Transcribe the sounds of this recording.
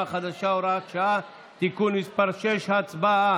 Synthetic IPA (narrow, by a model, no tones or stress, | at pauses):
xad̪ɐʃawɾaːkʃa | t̪ikunispɐɾʃeʃhɐt͡sba